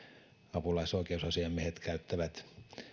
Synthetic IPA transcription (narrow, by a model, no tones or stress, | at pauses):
ɑpulɑisoˑikeusɑsiɑmiehet̪kæyt̪ːæʋæt̪